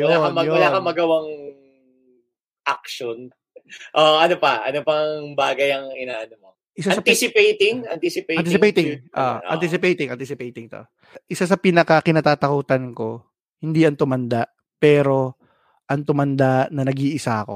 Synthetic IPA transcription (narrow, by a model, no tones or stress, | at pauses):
joɐmɐjolakɐmɐɡɐwaŋ | ʔak̚ʃon | ʔoʔɐnopɐɐ̰nopɐŋbaːɡɐjɐŋɪnaːʔɐnʊmo | ʔɪsasɐt̪isɪpejt̪ɪŋɐnt̪isɪpeɐnt̪issɪpejt̪ɪʔo̰ʔɐ̰nt̪is̬ɪpejt̪ɪŋʔɐ̰nt̪isɪpejt̪ɪŋt̪o̞̰ | ʔɪsas̬ɐpinɐkɐkɪnaːt̪aːt̪ɐkuːt̪ɐnko̞ | hɪnd̪iːɐŋt̪ʊmɐnd̪aʔ | pɛːɾo̞ | ʔɐŋt̪ʊmɐnd̪anɐnɐɡiːʔɪsaʔɐko̞̰